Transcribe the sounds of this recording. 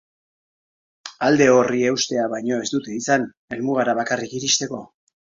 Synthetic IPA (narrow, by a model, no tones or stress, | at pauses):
ald̪e̞o̞rie̞wst̪e̞aβajɲo̞e̞zd̪ut̪e̞isan | e̞lmuɣ̞aɾaβakarikiɾist̪e̞ko̞